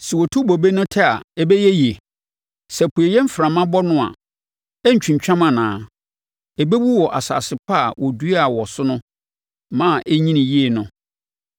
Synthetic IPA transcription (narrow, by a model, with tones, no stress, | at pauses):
sɛ˨wɔ˨tʰu˦bo˨be˦nʊ̃˦tʰɛ˦a̰˨ɛ˦bɛ˦jɛ˦je˨ | sɛ˨pʰu˨e˨jɛ˦m̩˦fɾã˨mã˦bɔ˦nʊ̃˦a̰˨ | ɛ˦ɲ̩˨t͡ɕᶣĩ˨ɲ˨t͡ɕᶣã˦mã˨nãː˨˦ | ɛ˨be˦bu˦wɔ˨ʔa˨sa̰ː˨sɪ˨pʰa˦a˨wʔɔ˨du˦e˦a˨wɔ˨sʊ˦nʊ̃˦ | mã˦˨ʔe˦ɲĩ˦nĩ˨ji˦e˨nʊ̃˦